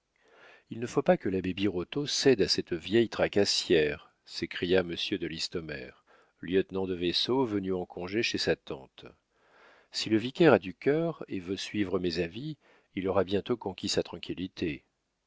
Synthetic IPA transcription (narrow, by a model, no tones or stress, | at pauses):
ilnəfopakəlabebiʁot̪osɛd̪asɛt̪vjɛjt̪χakasjɛʁ | sekχijaməsjød̪əlist̪ɔmɛ̰ʁ | ljœt̪nɑ̃d̪əvesovənyɑ̃kʰɔ̃ʒeʃesat̪ɑ̰̃t̪ | siləvikʲɛʁad̪ykʲœʁevøsɥivʁəmezaviː | lɔʁabjɛ̃t̪okɔ̃kʲisat̪χɑ̃kʲʰilit̪ʰe